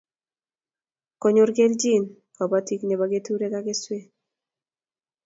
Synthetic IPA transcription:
kɔ˨ɲo˨ɾɡe˦ld͡ʒi˦˨n | ka˨ba˦ti˦kne˨ba˨ɡe˦tu˦ɾe˦ka˦ke˦swe˦

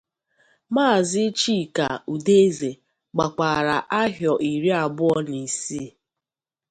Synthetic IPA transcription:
maː˦˨zɪ˦t͡ʃi˦˨ka˨u˨de˦e˦ze˨ | ɡ͡ba˨k͡pa˨ɾa˨ʔa˦ɦjɔ˨ʔi˨ɾi˦a˨bʊ˦ɔ˦ni˨si˦˨

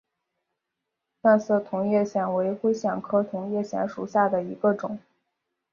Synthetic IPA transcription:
t̪a˥˧nsɤ˥˩t̪ʰʊ˧˥ŋjɛ˥˩ɕjɛ˥˩nwe˧˥ɪxwe˥ɪɕjɑ˨˩ŋkʰɤ˥t̪ʰʊ˧˥ŋjɛ˥˩ɕjɛ̰˧˥nʂu˨˩ɕja˥˩d̪ə˩i˧˥ɡə˧ʈ͡ʂʊ˨˩˦ŋ

